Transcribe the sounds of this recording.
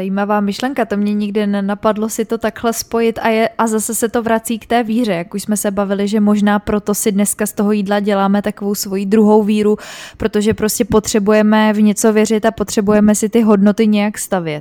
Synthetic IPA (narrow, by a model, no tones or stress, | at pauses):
zajiːmavaːmɪʃlɛŋkat̪o̞mɲɛɲɪɡdɪnɛnapadlo̞sɪt̪o̞t̪akhlɛspo̞jɪt̪ʔajɛʔazasɛsɛt̪o̞vɾat͡siːkt̪ɛːviːr̝ɛjakuʃsmɛsɛbavɪlɪʒɛmo̞ʒnaːpɾo̞t̪o̞sɪdnɛskast̪o̞ɦo̞jiːdlaɟɛlaːmɛt̪akovo̞wsvo̞jiːd̪ɾuɦo̞wviːɾupɾo̞t̪o̞ʒɛpɾo̞scʲɛpo̞t̪r̝̥ɛbujɛmɛvɲɛt͡so̞vjɛrɪt̪apo̞t̪r̥ɛbujɛmɛsɪt̪ɪɦo̞dno̞t̪ɪɲɛjakst̪avjɛt̪